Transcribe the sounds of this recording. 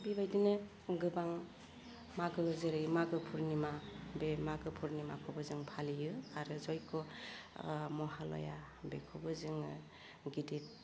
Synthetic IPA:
bibajdinɯ | ɡɯbaŋ | maɡɯzɯɾɯmaɡɯpʰuɾnimabemaɡɯpʰuɾnima̰kʰɔbɯzɯŋpʰalijɯaɾɯzɔjkʰɔ | mɔɦalɔ̰ja | bekʰɔbɯzɯŋɯ | ɡidit̚

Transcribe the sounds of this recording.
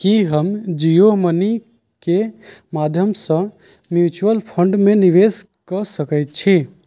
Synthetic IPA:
kiɦəmd͡ʒijoməni | kemad̪ʱjəmsə̃ | mjut͡ʃuəlpʰəɳɖmeniʋes | kəsəkət̪̚t͡ʃʰi

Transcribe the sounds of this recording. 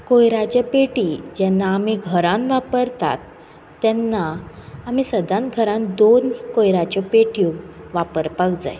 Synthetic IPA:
kojɾat͡ɕapeʈid͡ʑɛnːaːmiɡʱəɾãnʋapəɾt̪a̰t̪ː | ɛnːaːm̤isəd̪ãnɡʱəɾãnd̪onkojɾat͡ɕɔpeʈjũʋapəɾpakd͡za̰j

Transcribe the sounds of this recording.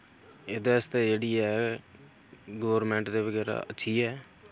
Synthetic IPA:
ɪd̪eːɪst̪eːd͡ʒeːɽiːɦɛː | ɡoːʋɾmɛ̃ːɳʈd̪eːʋəɡɛːɾa̰ːʔətːʃʰiːɦɛː

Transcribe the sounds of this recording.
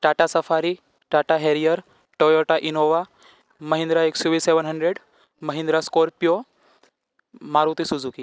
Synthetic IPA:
ʈaʈasəfaɾi | ʈaʈaɦeɾijəɾ | ʈojoʈaʔinoʋa | məɦĩnd̪ɾaeksoʋiːseʋənɦəɳɖɾeɽ | məɦĩnd̪ɾaskoɾpijo | maɾut̪isud͡zuki

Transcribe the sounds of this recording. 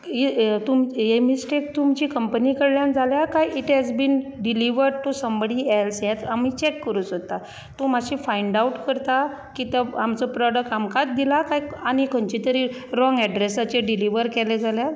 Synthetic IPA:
it̪umɦemisʈek̚t̪umt͡ɕiːkəmpənikəɽljãnd͡zaljakajiʈɦɛd͡zbiːnɖiliʋəɾɖʈusəmbəɽiɛlsjɛ̃t̪am̤it͡ɕɛkːəɾuːt͡sɦot̪a | t̪omaɕifajɳɖawʈkəɾt̪a | kit̪əamt͡sɔpɾɔɽək̚ʈamkat̪d̪ilakajañikʰənt͡ɕit̪əɾiː | ɾɔ̃ŋɡɛɖɾesat͡ɕeɖiliʋəɾkɛled͡zalja

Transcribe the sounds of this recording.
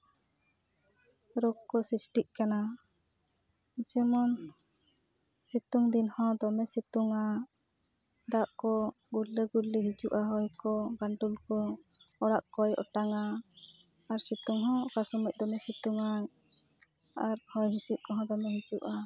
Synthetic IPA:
ɾɔɡkːɔsisʈiʔkana | d͡ʒɛmɔn | sit̪uŋd̪inhɔ̃d̪ɔmɛsit̪uŋa | d̪aʔkɔ | ɡuɾlːəɡuɾliɦid͡ʒuʔaɦɔjkɔɡaɳʈulkɔɔɽaʔkɔjɔ̰ʈaŋaː | ɾsit̪uŋɦɔ̃ɔkasumuc̚ˀd̪ɔmɛsit̪uŋa | aɾhɔjɦisiʔ̚kɔɦɔ̃d̪ɔmɛɦid͡ʒuʔa

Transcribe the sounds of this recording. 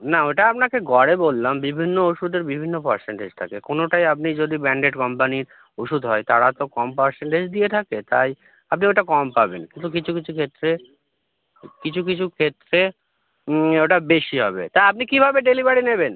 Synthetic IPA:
naoʈaap̚nakeɡɔɽebolːambibʱinːooʃud̪eɾbibʱinːopaɾseɳʈed͡ʑt̪ʰa̰kekonoʈajap̬̚nid͡ʑod̪ibɛɳɖeʈkɔmpaniɾ | oʃud̪ɦɔet̪aɽat̪okɔmpaɾseɳʈed͡ʑd̪iet̪ʰaket̪a̰j | ap̚nioʈakɔmpabenkint̪ukit͡ɕʰukit͡ɕʰukʰet̪ːɾe | kit͡ɕʰuk̬it͡ɕʰukʰet̪ːɾe | oʈabeʃiɦɔbḛt̪ajap̚nikibʱabeɖelibaɽineben

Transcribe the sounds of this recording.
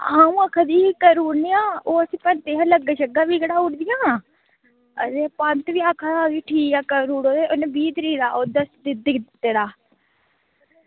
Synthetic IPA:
aːũːəkʰad̪iːkəɾuːɾnijãːoːəsĩːpənt̪eːɦãːləɡaʃəɡaːʋiːɡəɽaːʊʈd̪ɪjãː | əd̪eːpənt̪ʋiːaːkʰːadaːɡiːʈʰiːkaːkəɾuːɽoːd̪eːʔʊnebiːd̪ɾiːɾaːoːd̪əsd̪ɪd̪ɪk̪t̪ːeːɾaː

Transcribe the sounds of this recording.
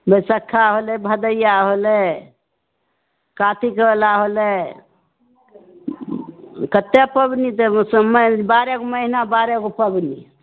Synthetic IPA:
bəsəkʰːaɦolɛbʱəd̪əjaɦole | kat̪ikəlaɦolɛ | kət̪epəbnit̪ɔsəməbaɾɛkoməɦinabaɾekopəbni

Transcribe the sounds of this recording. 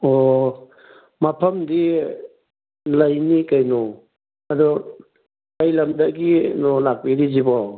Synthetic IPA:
ɔ | mapʰɐmdi | lajnikajnɔ | adɔ | kajlamdaʔɡinɔlak̚biɾizibaw

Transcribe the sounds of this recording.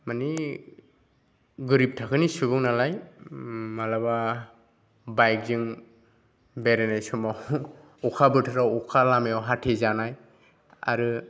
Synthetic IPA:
mani | ɡɯɾip̚tʰakʰɯnisubɯŋnalaj | malaba | bajk̚zɯŋ | beɾenajsɔmaw | ɔkʰabɯtʰɯɾawɔkʰalamejawɦatʰezanaj | a̰ɾɯ

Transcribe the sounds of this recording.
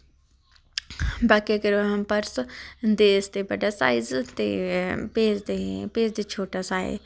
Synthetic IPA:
baːkekəɾɐɦɐmpɐɾsd̪eːst̪ebɐɖasaːizt̪epeːzd̪epeːzd̪et͡ʃʰoːʈasaːḛ

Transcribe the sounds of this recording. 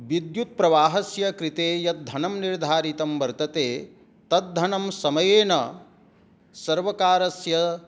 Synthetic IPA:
ʋid̪jut̪̚pɾɐʋaːɦɐsjɐkɾit̪eːjɐt̪̚d̪ʱɐnɐmniɾd̪ʱaːɾit̪ɐmʋɐɾt̪ɐt̪eː | t̪ɐt̪̚d̪ʱɐnɐmsɐmɐjeːnɐ | sɐɾʋɐkaːɾɐsjɐ

